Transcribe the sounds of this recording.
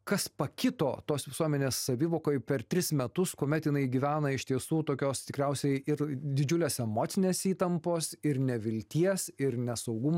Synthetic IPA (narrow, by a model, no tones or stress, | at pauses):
kɐspɐkʲɪt̪oːt̪oːsʋʲɪsuɔmʲɛnʲeːsːɐʋʲiːʋoːkoːjpʲɛɾt̪ʲɾʲɪsmʲɛt̪ʊskoːmʲɛt̪jɪnɐɪɡʲiʋʲæːnɐɪʃt̪ʲiɛsuːt̪oːkʲoːst̪ʲɪkɾʲɛʊsʲɛɪɪɾd̪ʲɪd͡ʒʲʊlʲeːsɛmoːt̪sʲɪnʲeːsiːt̪ɐmpoːsɪɾnʲɛʋʲɪlʲt̪ʲiɛsɪɾnʲɛsɐʊɡʊm